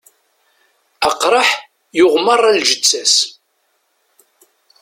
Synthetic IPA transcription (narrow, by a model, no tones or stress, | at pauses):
əqɾˤəħ | jʊʁmərˤːælʒət͡sːæs